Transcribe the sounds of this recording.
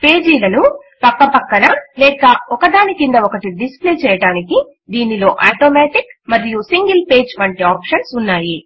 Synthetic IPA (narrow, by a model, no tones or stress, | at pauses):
pe̞ːd͡ʒiːlɐnu | pɐkːɐpɐkːɐnɐlɛːkɐɔkɐd̪aːnikind̪ɐɔkɐʈiɖispleːt͡ʃɛːjɐɽaːniki | d̪iːnilo̞ːʔaːʈoːmɛːʈikmɐɾijusiŋɡilpe̞ːd͡ʒʋɐɳʈiaːpʃɐnsunːaːji